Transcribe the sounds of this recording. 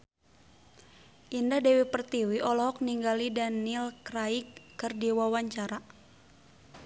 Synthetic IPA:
ʔindahdɛwipərt̪iwiʔɔlɔɦɔk̚niŋɡalidanilkraikːɨrdiwawaɲt͡ʃaɾa

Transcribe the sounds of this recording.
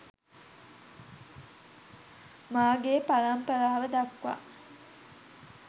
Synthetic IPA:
maːɡeːpalɐmpəlaːʋəd̪ɐkʋa̰

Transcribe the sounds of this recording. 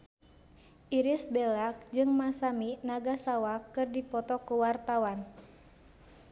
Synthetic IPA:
ʔiɾisbɛlak̚d͡ʒɨŋmasaminaɡasawakɨrdipɔt̪ɔkuwart̪awan

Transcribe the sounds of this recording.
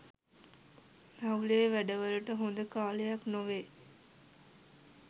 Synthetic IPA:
nɐuleːʋæɖəʋəluʈəɦond̪əkaːlejɐknoʋe

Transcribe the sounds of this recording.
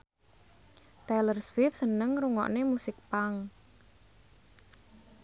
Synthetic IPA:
t̪ɛlərswɪfsənəŋruŋɔ̰ʔnemusɪk̚paŋ

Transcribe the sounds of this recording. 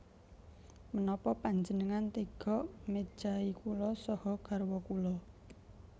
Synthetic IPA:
mənɔpɔpaɲd͡ʒənəŋant̪iɡ̥ɔ̤ʔme̥ʒ̥aikulɔsɔhɔɡ̥a̤rwɔkulɔ

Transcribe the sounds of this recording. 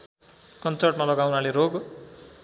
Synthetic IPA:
kʌnt͡sʌrʈmalʌɡawnaleɾoɡ

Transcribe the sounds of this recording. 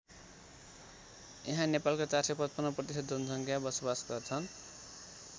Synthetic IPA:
eɦãnepalkot͡sarsepʌt̪pʌnʌprʌt̪isʌd̪̚d͡zunsʌŋkʰjabʌsobasɡʌrt͡sʰʌn

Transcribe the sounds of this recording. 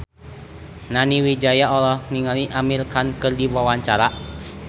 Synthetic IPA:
naniwid͡ʒajaɔlɔhniŋaliʔamirkankɨrdiwawaɲt͡ʃaɾa

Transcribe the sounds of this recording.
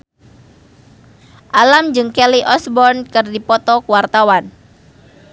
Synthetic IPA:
ʔalamd͡ʒɨŋkɛliʔɔsbɔrnkɨrdipɔt̪ɔkuwart̪awan

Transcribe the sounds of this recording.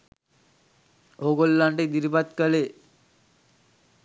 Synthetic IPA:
oɡolːaɳʈed̪iɾipat̪kəle

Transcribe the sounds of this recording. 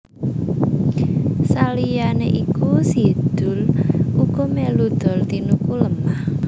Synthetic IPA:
salijaneʔikusid̪̥ʊ̤lʔuɡ̥ɔmelud̪̥ɔ̤lt̪inukuləmah

